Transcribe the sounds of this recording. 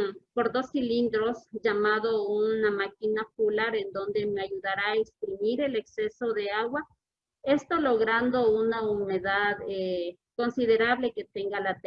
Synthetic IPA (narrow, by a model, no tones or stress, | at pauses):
poɾd̪osilind̪ɾosʝamaðounamakinapulaɾend̪o̞nd̪emeaʝuðaɾaekst̪ɾimiɾe̞leksesoðeaɣwa | est̪oloɣɾand̪ounaumeðaðe | konsiðeɾaβleket̪eŋɡalat̪e